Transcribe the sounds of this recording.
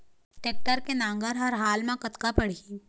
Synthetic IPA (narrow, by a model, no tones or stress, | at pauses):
ʈeːk̚ʈəɾkenãːŋɡəɾɦɐɾɦaːlmãkɐt̪kapɐɽ̤i